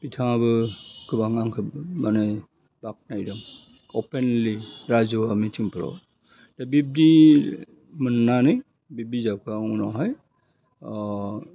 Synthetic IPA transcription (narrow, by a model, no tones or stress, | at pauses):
pitʰãbɯkɯbaŋaŋkʰɯmanɛ | bak̚najdɯŋ | ɔpenliɾazɔamitʰiŋpɯɾɔ̰ | tebib̚di | mənːanɯj | bib̚dizabkʰaũnɔɦɔj